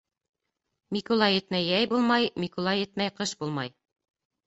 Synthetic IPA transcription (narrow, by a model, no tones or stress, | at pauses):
mʲikulˠɑjɘ̆t̪mæjæjbulˠmɑjmʲikulˠɑjɘ̆t̪̚mæjqɤʃbulˠmɑj